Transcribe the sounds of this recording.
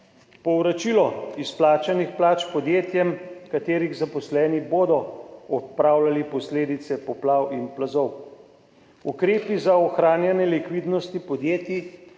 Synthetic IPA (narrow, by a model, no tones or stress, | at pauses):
pɔwɾat͡ʃilɔisplaːt͡ʃanixplaːt͡ʃpɔd̪jeːt̪jɛmkat̪eːɾiɣzapɔslɛːniboːd̪ɔɔt̪̚pɾaːwlalipɔsleːd̪it̪sɛpɔplawinplazɔw | ukɾeːpizaɔxɾaːnjanjɛlikʋid̪nɔst̪ipɔd̪jeːt̪ji